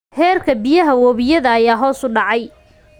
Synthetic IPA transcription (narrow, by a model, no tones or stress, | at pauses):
hɛːrkʰɐbɪjɐɦɐwɔːβɪjɐðɐːjaːɦɔːsʊɖɑʕɑj